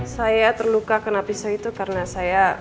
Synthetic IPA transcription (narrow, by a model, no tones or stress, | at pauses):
sajat̪ərlukakənapisait̪ukaɾənasaja